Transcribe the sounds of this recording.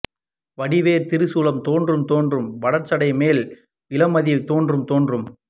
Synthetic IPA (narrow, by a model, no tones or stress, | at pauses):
ʋɐɽɪʋeːɾt̪ɪɾɯsuːlɐmt̪oːndrɯmt̪oːndrɯmʋɐɽɐɾt͡ʃɐɽɐɪmeːl | ɪlɐmɐðit̪oːndrɯmt̪oːndrɯm